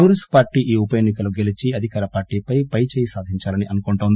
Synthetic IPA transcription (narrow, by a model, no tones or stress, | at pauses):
uːɾispaːɾʈiːʔiːupɐjeːnːikɐluɡe̞lit͡ʃiɐd̪ʱikaːɾɐpaːɾʈiːpɐjpɐjt͡ʃeɛːjɐsaːd̪ʱiɲt͡ʃaːlɐniʔɐnukoɳʈoːnd̪i